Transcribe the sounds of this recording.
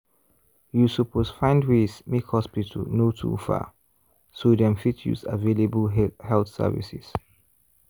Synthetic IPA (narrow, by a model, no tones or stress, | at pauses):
jusəpʰosfãɪ̃ndwesmekhɔspitʰə̰lnotʰṵfa̰ | sodɛ̃mfitjṵza̰velebəlhɛlθsɛ̰vḭsɪ̰s